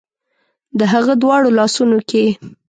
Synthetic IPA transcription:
d̪əɦaɣəd̪wɑɽolɑsunokʰe

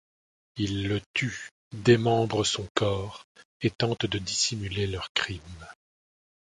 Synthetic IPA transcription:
ilːət̪y | d̪emɑ̃bʁəsɔ̃kɔːʁet̪ɑ̃t̪d̪əd̪isimylelœʁkχim

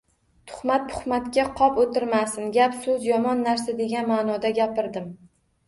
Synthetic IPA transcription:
t̪ʰʊ̥χmat̪̚t̪ʰʊ̥χmat̪kʲaqʰɒpot̪ɪɾmasɪnɡʲapsʊzjɒmɒnːaɾsad̪e̞ɡʲanmaːnɒd̪aɡʲapɪɾd̪ɪm

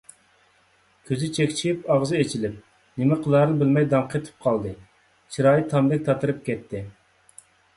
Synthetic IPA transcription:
kʲʰøzɪt͡ʃʰekʲt͡ʃʰiipɑʁzɨet͡ʃʰilɪp̚ | nɪmɪqʰəlˠɑɾɨnbɪlmɛjd̪ɑŋqʰet̪ʰɨ̥p̚qʰɑlˠd̪ɨ | t͡ʃʰiɾɑːjit̪ʰɑmd̪ɛk̚ʲt̪ʰɑt̪ɨɾɨp̚kʲɛt̪ʰːɪ

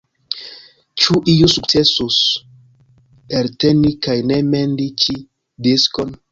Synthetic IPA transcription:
t͡ʃuʔijusuk̚t͡sesus | eɾtenikajnemendit͡ʃi | diskon

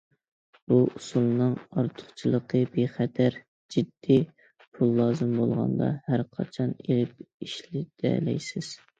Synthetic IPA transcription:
uʔusulˠnɨŋɑɾt̪ʰʊ̥χt͡ʃʰilˠəqʰəbeχɛt̪ʰæɾ | d͡ʒid̪ːi | pʰulˠːɑːzɨmbolˠʁɑ̰nd̪ɑ̰hæɾqʰɑ̰t͡ʃʰɑnelɪp̚iʃlɪd̪̥ɛ̰lɛ̰jsɪz̥

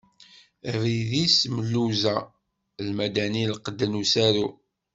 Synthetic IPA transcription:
riðisməlːuzæ | lmæd̪ænilqəd̪ːənusæɾu

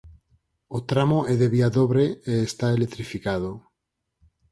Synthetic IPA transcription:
ot̪ɾamoʔɛðeβiaðoβɾeeːst̪aelet̪ɾifikað̞o

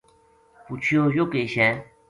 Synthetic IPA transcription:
put͡ɕʰjojokeɕɛ̃

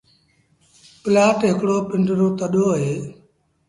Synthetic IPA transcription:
pɪlaːʈɦɪkɽoːpɪɳɖɾoːt̪əɗoːɦeː

